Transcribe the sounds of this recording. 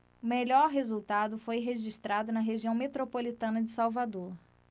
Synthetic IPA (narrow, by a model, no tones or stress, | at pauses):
ʊmeʎɔɾɦezuwt̪ad̪ʊfojɦeʒiʃt̪ɾad̪ʊnɐɦeʒiɐ̃w̃met̪ɾopolit̪ɐ̃nɐd͡ʒɪsawvad̪oɾ